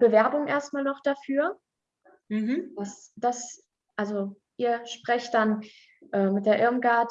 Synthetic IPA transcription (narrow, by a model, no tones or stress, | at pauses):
b̥əvɛɐbʊŋʔeːɐst̚maːlnɔχd̥afyːɐ | m̩hm̩d̥asd̥as | ʔalzo | ʔiːɐʃpʁ̥ɛçt̚d̥an | ʔɛːmɪt̚d̥eːɐʔɪɐmɡaɐt